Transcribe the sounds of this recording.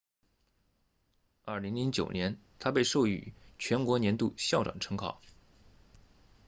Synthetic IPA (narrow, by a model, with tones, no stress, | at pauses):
ɐ˥˩li˧˥ŋli˧˥ŋt͡ɕjo̰˨˩ʊnjɛ˧˥nt̪ʰa˥pe˥˧ɪʂo˥˩ʊy̰˨˩t͡ɕʰɥɛ˧˥nkwɔ˧˥njɛ˧˥nt̪ṵ˥˧ɕjɑ˥˩ʊʈ͡ʂwa̰˨˩ŋʈ͡ʂʰɤ˧˥ŋkʰɑ̰˨˩˦